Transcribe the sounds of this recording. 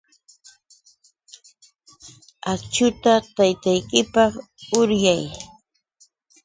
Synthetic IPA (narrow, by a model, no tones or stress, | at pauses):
akt͡ʃʊt̪at̪ajt̪ajkɪpɑχʊɾjaj